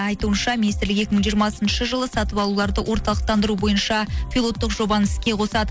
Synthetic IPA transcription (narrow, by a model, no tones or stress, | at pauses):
ɑjt̪uənʃɑmʲinist̪ɪɾlɪke̞kʲɪməɴʒijəɾmɑsənʃəʒəlˠəsɑt̪əpɑlˠulˠɑɾd̪əwʔo̞ɾt̪ɑlˠəq̚t̪ɑnd̪əɾubo̞jənʃɑpʰʲilˠo̞t̪ːəqʒo̞bɑnɪskʲe̞qʰo̞sɑd̪ə